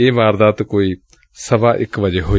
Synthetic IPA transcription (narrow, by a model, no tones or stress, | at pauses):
eːʋaːɾd̪aːt̪koːiː | səʋaːʔɪ̰kʋəd͡ʒeːɦoː